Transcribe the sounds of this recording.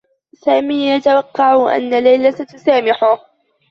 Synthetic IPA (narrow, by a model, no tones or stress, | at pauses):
saːmiːjat̪awɑqːɑʕʔa̰nːalajlasat̪ʊsaːmɪħʊh